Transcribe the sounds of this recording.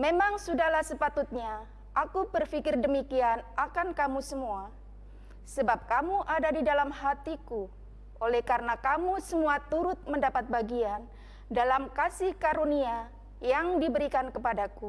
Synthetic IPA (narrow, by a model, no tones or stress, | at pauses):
memaŋsudahlahsəpat̪ʊt̪̚ɲa | ʔakubərfikɪrdəmikianakankamusəmua | səbap̚kamuʔadadidalamhat̪iku | ʔolɛhkaɾənakamusəmuat̪uɾʊt̪̚məndapat̪̚baɡian | dalamkasihkaɾonia | jaŋdibəɾikankəpadaku